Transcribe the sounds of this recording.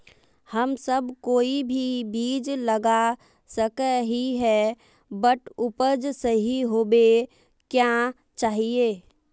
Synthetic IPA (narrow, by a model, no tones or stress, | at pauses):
həmsəbʱkoibʱibid͡ʒləɡa | səkəɦiɦɛ | bəʈʰupəd͡ʒsəɦiɦobe | kja | t͡ʃaːɦie